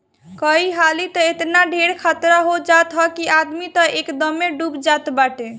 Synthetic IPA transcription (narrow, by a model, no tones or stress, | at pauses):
kəiɦalit̪ɔet̪naɖʱeɽkʰat̪ɾaɦod͡ʒat̪ɦɔkiad̪mit̪ɔʔekd̪əmːeɖubd͡ʒat̪baʈe